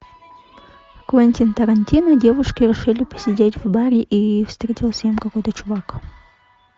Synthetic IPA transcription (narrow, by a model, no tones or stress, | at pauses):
kvɐnʲtʲint̪ɐɾɐnʲtʲinɐdʲevʊʂkʲɪɾʲɪʂɨlʲɪpə̥sʲɪdʲetʲvbaɾʲɪʔifst̪ɾʲetʲɪlˠsʲemkɐkojt̪ət͡ʃʊvak